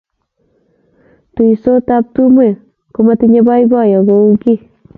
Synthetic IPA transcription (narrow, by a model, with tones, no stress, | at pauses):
tu˨i˨so˦ta˦p̚tu˦mwe˨ | ku˦ma˦ti˦ɲe˦ba˦i˦bɔ˦jɔ˨ɡo˦u˦ki˦